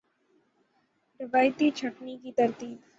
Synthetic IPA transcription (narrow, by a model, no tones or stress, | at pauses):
ɾɪʋaːjt̪it͡ʃʰɐʈnikit̪ɐɾt̪iːb